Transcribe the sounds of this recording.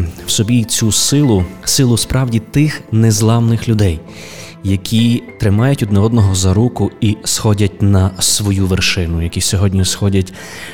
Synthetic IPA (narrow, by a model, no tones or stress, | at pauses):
wsɔbʲit͡sʲusɪlˠʊsɪlˠʊspɾɑwdʲit̪ɪxnɛzlˠɑwnɪxlʲʊd̪ɛjː | ɐkʲʰit̪ɾɪmɑjɐtʲɔd̪nɛɔd̪nɔɦɔzɐɾukʊisxɔdʲɐtʲnɐsʋɔjuʋerʃɪnʊjɐkʲisʲɔɦɔdʲnʲisxɔdʲɐtʲ